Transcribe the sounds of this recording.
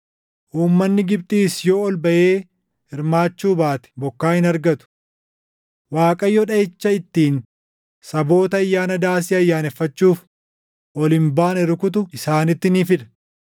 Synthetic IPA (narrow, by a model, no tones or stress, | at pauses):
ʔuːmːɐnːɪɡɪb̚t̪ʼiːsjo̞ːɔlbɐʔeː | hɪɾmaːt͡ʃːuːbaːt̪ɛ̥bɔkːaːhɪnɐɾɡɐt̪ʊ̥ | waːkʼɐjːɔᶑɐɪt͡ʃːɐɪt̪ːiːn | sɐbo̞ːt̪ɐɐjːaːnɐd̪aːs̬ɪɐjːaːnɛfːɐt͡ʃːuːf | ʔɔlɪmbaːnɛɾɪkʊt̪̬ʊɪsaːnɪt̪ːɪnifɪᶑ̪ɐ̥